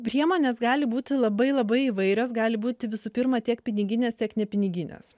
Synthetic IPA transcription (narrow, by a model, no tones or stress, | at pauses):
pʲɾʲiɛmoːnʲeːsɡɑːlʲɪbuːt̪ʲɪlˠɐbɐɪlˠɐbɐɪiʋɐɪɾʲoːs̬ɡɑːlʲɪbuːt̪ʲɪʋʲɪsuːpʲɪɾmɐt̪ʲiɛkpʲɪnʲɪɡʲɪnʲeːst̪ʲiɛknʲɛpʲɪnʲɪɡʲɪnʲḛs